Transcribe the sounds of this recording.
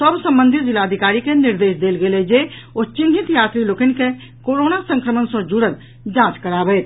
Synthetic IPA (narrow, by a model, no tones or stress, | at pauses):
səbsə̃mbə̃nd̪ʱit̪d͡ʒilaəd̪ʱikaːɾikeniɾd̪eːsd̪eːlɡeled͡ʒeot͡ʃinɦit̪jaːt̪ɾiloːkənike | koːɾoːnasə̃ŋkɾəmənsɔ̃d͡ʒuɽəl | d͡ʒãːt͡ʃkəɾaːbɛːt̪